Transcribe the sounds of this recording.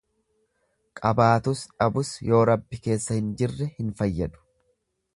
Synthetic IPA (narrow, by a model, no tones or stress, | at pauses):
kʼɐbaːt̪ʊsᶑɐbʊsjo̞ːɾɐbːɪke̞ːsːɐhɪnd͡ʒɪrːɛhɪnfɐjːɐd̪ʊ̥